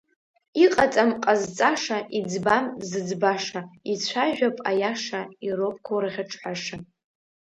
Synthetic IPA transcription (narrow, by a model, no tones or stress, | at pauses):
iqʼat͡sʼamqʼazt͡sʼaʂaʔid͡zbamzɨd͡zbaʂait͡sʷʰaʒᶣapʼajaʂairopʼkʷʰoraʁʲaʈ͡ʂʼħaʂa